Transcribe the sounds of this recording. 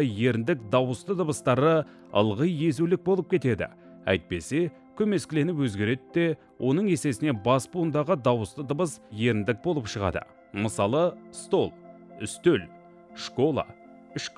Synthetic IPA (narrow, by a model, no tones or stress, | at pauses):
je̞ɾɪnd̪ɪkd̪ɑwəst̪əd̪əbəst̪ɑɾə | ə̰lˠʁəje̞zulɪk̚bo̞lˠəp̚kʲʰe̞t̪e̞d̪ɪ̰ | æ̰jt̪̚pe̞se̞ | kʲʰɵme̞skʲɪle̞nɪpwɵzɡʲe̞ɾe̞d̪ɪd̪e̞ | wʔo̞nəɴe̞se̞sɪne̞bɑspund̪ɑʁəd̪ɑwəst̪əd̪əbəsje̞ɾɪnd̪ɪk̚bo̞lˠəpʃəʁɑ̰d̪ə̰ | məsɑlˠəst̪o̞lˠ | ʏst̪øl | ʃko̞lˠɑ̰ | ʏʃk